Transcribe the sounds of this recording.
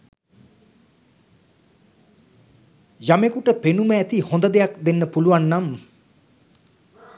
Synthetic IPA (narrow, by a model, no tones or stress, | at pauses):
jamekuʈəpenuməæt̪ihond̪əd̪ejakd̪enːəpuluʋanːam